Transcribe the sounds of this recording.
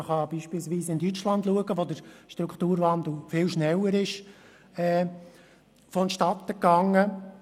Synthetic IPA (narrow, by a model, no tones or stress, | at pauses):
əχɑb̥iːʃpɪlsʋiːsɪndyt͡ʃlɑnd̪luəɡəʋod̪əɾʃtɾukχt̪uːɾvɑnd̪l̩fɪlʃnɛlːəɾɪʃ | ɛː | fɔnʃtɑt̪ːəkːɑŋːə